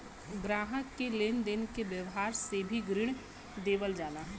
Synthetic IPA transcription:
ɡɾaːɦəkːeleːnd̪ɪnkeʋjəʋɦaːɾsebʱiɡɾɪɽ̃ | d̪eːʋəld͡ʒaːnaːɦɛ

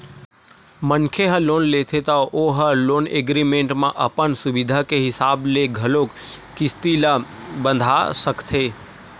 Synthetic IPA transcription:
mənkʰeɦəloːnlet̪ʰet̪əʔoɦəloːnḛɡɾimẽɳʈmãʔəpənsubid̪ʱakeɦɪsaːbleɡʱəlokː | ɪst̪ila | bə̃nd̪ʱa̰səkt̪ʰe

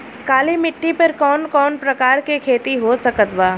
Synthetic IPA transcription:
kaːlimɪʈːipɐɾkɔːnkɔːnpɾɐkaːɾkekʰeːt̪iɦosɐkət̪ʋaː

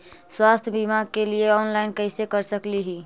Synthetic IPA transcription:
swast̪ʰjəbimaɡkelieɔnlaɪnkəɪsekəɾsəkliɦi

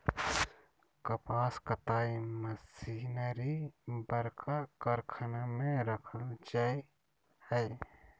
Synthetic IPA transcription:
kəpaːskət̪aiməsinəɾibəɾkʰakəɾkʰənamẽɾəkʰəld͡ʒai | həj

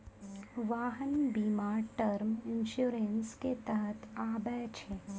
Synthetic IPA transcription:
ʋaːɦənbiːmaːɾʈəɾmɪnʃuːɾensket̪əɦət̪ʰaːbɛt͡ʃʰe

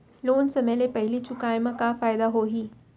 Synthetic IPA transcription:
lonsəmelepəɦilit͡ɕukajməkafajd̪aɦoɦiː

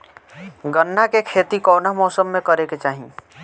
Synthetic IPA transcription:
ɡənːakekʰeːt̪ikɔːnamɔːsəmːẽkəɾeket͡ʃaːɦḭ̃

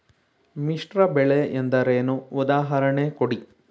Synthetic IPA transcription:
miʂʈɾɐbɛɭeend̪ɐɾenuːd̪aːɦɐɾɐɳekoɽi

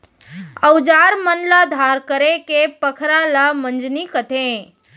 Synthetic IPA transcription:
əwd͡ʒaːɾmənlad̪ʱaːɾkəɾekepəkʰɾalamənd͡ʒnikət̪ʰẽ

